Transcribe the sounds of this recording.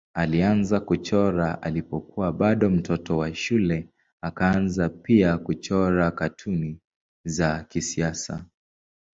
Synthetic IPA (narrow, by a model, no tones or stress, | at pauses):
alianzakut͡ʃɔɾaʔa̰lipɔkuwaɓaɗɔm̩tʰɔtɔwaʃulɛ | akaanzapiakut͡ʃɔɾakatʰuni | zakisiasa̰